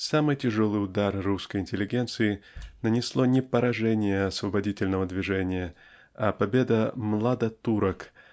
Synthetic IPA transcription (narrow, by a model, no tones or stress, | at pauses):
samɨjtʲɪʐolˠɨjʊd̪arruskəjɪnʲtʲɪlʲɪɡʲe̞nt̪sɨɪnənʲɪslˠonʲɪpəɾɐʐɛnʲɪjəɐsvəbɐdʲitʲɪlʲnəvəd̪vʲɪʐɛnʲɪjə | apɐbʲe̞d̪əmlˠad̪ɐt̪uɾək